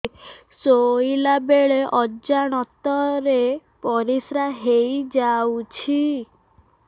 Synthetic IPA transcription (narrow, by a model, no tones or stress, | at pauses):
soilabeɭeʔɔd͡ʒaɽ̃ɔt̪ɔɾepɔɾisɾaɦejd͡ʒawt͡ʃʰi